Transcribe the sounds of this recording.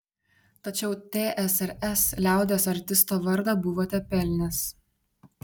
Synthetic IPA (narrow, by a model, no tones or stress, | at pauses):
t̪ɐt͡ʃʲɛʊt̪ʲeːʔɛsɛɾʲɛslʲæˑʊd̪ʲeːsɐɾʲt̪ʲɪst̪oːʋɐɾd̪ɑbʊʋoːt̪ʲɛpʲɛlʲnʲes